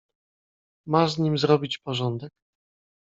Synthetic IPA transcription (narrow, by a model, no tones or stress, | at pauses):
mazɲimzɾɔbʲit͡ɕpɔʐɔnd̪ɛk̚